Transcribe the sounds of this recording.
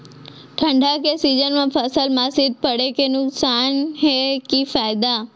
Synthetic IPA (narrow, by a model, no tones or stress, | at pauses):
ʈʰɐ̃ɳɖʱakesiːd͡ʒənmãfʰɐsəlmaːsid̪̚pɐɽekenʊksaːnɦekiːfaːɪd̪a